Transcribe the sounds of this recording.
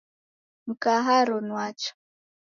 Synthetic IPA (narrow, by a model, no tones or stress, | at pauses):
m̩kaɦaɾɔnwat͡ʃɔ̥